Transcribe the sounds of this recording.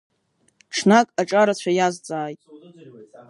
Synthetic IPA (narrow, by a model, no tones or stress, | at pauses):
ʈ͡ʂʰnakʼaʈ͡ʂʼaɾat͡ɕʷʰajazt͡sʼaːjtʼ